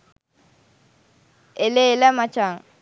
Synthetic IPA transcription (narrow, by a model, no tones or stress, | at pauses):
elelɛmat͡ʃaŋ